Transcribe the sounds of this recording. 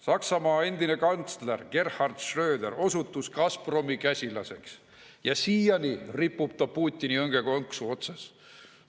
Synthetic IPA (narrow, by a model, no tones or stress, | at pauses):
sɑksɑmɑːe̞nd̪̥ine̞kɑnt̪slerɡ̥e̞rhɑrd̪̥ʃrø̞ːd̪eɾo̞sut̪ːˑuskɑspro̞mikæsʲilɑse̞ks | jɑsiːjɑniripːub̥̚t̪ɑpuːt̪ʲːˑiniɤŋɡ̥e̞ko̞ŋksuo̞t̪sɑs